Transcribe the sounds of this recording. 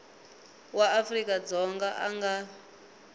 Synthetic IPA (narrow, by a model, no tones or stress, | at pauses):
waːfrikʼad͡zɔŋɡaʔaŋɡa